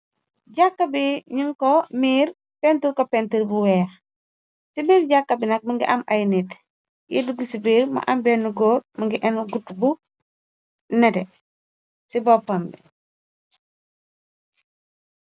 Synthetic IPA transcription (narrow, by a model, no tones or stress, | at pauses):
ɟakːɐbiɲiŋkɔmiːɾ | pɛntuɾkɔpɛntuɾbuwɛːx | sibiːɾɟakːɐbinɐk̚mɐŋɡiʔɐmajnit | jiduɡisibiːɾmɐ̰ʔɐmbɛnːuɡoːɾmɐŋɡiʔɛnɡutːbu | nɛdɛ | sibɔpːɐmbḭ